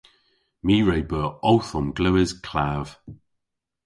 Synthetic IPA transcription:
miːɹejbəːowθɔmɡləːɪz̥kʰlav̥

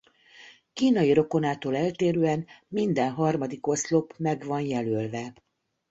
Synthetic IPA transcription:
kiːnɒjiɾo̞ko̞naːt̪oːlɛlt̪eːɾøːɛnmind̪ɛnɦɒrmɒd̪iko̞st̪lo̞pmɛɡvɒnjɛlølvɛ

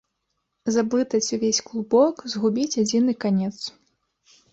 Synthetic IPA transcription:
zablˠɨt̪ɐt͡sʲuvʲesʲklˠubɔkzɣubʲit͡sʲad͡zʲin̪ɨkanʲɛt̪s

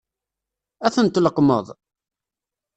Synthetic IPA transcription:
æθənt̪ləqmə̰ðˤ

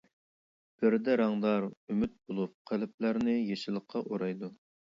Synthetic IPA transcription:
b̥ɪɾd̪ɛɾɑŋd̪ɑɾymyt̪̚b̥olˠup̚qʰælɪp̚læɾnɪjeʃɪlˠəqʰːɑʔoɾɑjd̪u

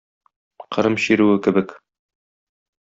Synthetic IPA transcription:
qʰɤ̆ɾɤmɕiɾʉwɘkɘ̆bɘk

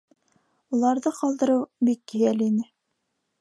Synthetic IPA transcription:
ulˠɑɾðɤqɑlˠd̪ɤ̆ɾɤwbikːɘ̆jælinɘ

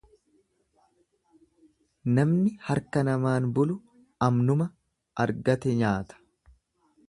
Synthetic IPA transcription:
nɐmnɪhɐɾkɐnɐmaːnbʊlʊ | ɐmnʊmɐ | ɐɾɡɐt̪ɛɲaːt̪ɐ̥

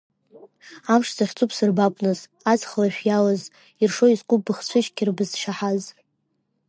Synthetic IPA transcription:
amʂzaχʲt͡sʰʼupʰsɨrbakʷʼnɨz | ad͡zχalaʃᶣjalaz | irʂoizqʼʊbɨχt͡ɕʷʰɨʃɡʲirbɨzʃaħaz

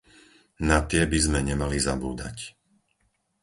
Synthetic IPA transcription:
nat̪ɪɛbizmɛɲɛmalizabuːd̪a̰c

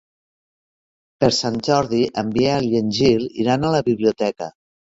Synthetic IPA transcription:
pəɾsanʲd͡ʒɔɾðiʔəmbieəlenʲʒilḭɾanələβiβliut̪ɛkə̰

